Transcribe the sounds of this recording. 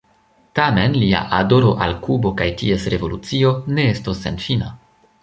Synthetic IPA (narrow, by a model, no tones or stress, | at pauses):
tame̞nlia̰ʔado̞ɾo̞ʔalkubo̞kajtie̞sɾe̞vo̞lut͡sio̞ne̞estosːe̞̰nfina